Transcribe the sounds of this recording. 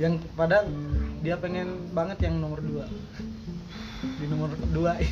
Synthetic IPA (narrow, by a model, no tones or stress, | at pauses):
jaŋpadadiapeŋɛnbaŋət̪jaŋnɔmərdua | dinɔmərdua